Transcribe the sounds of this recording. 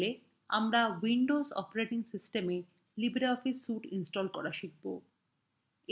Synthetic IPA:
le | a̰mɾawiɳɖozɔ̰peɾeʈiŋsisʈeme | libɾeɔfisːuʈinsʈɔlkɔɾaʃik̚bo

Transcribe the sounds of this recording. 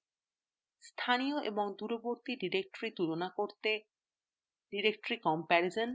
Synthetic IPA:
st̪ʰanijoʔḛboŋd̪uɾoboɾt̪iɖiɾek̚ʈoɾit̪uɾonakoɾt̪e | ɖiɾek̚ʈoɾikɔmpɛɾizon

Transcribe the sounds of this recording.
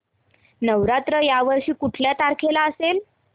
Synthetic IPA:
nəʋɾat̪ɾəjaʋəɾɕiːkuʈʰljat̪aɾkʰelaəsel

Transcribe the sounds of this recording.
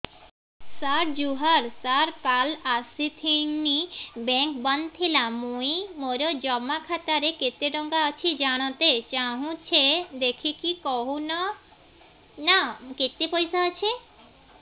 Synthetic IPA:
saɾd͡ʒuɦaɾsaɾpalasit̪ʰiŋnibɛŋkbɔnt̪ʰelamujmoɾod͡ʒɔmːakʰat̪aɾeket̪eɖɔŋɡaat͡ʃʰid͡ʒaɽ̃ɔt̪et͡ʃaɦũt͡ʃʰed̪ekʰikikɔɦunɔ | naket̪epɔjsaat͡ʃʰe

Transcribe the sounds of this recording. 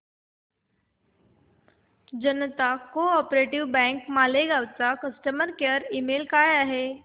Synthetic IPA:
d͡ʑənət̪akoɔpɾeʈiʋbɛ̃ŋkmaleɡawt͡sakəsʈəməɾkəɾimelkajaɦe

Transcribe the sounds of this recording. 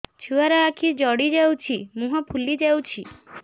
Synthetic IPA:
t͡ʃʰuaɾɔakʰid͡ʒɔɽid͡ʒewt͡ʃʰimũɦɔpʰulid͡ʒewt͡ʃʰi

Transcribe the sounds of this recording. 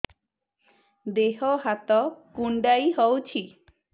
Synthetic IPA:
d̪eɦɔɦat̪ɔkuɳɖajɦɔwt͡ʃʰi

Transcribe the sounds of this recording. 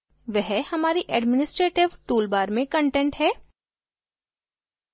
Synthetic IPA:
ʋɛɦhɐmaːɾiʔɛːɖmɪnɪsʈɾeːʈɪʋʈuːlbaːɾmẽkɐ̃ɳʈẽːɳʈɦɛː

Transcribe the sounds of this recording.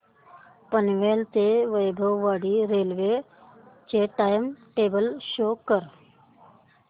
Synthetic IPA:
pənʋeːlt̪eʋəjbʱəwːaːɽiːɾeːlʋeː | t͡ʃeːʈaːjmʈeːbəlʃoːkəɾ

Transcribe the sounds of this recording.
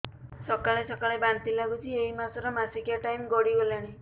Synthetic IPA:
sɔkaɭesɔkaɭebant̪ilaɡut͡ʃʰieɦimasɔɾɔmasikjaʈajmɡɔɽiɡolaɽ̃i

